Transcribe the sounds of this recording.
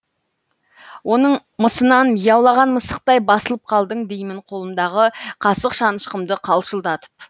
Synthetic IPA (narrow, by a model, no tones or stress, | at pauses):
wʔo̞nəɴməsənɑnmijɑwlˠɑʁɑnməsəq̚t̪ɑjbɑsəlˠəp̚qʰɑlˠd̪əɴd̪ejmɪɴqʰo̞lˠəmd̪ɑʁəqʰɑsəqʃɑnəʃqəmd̪əqʰɑlˠʃəlˠd̪ɑt̪ə̥p̚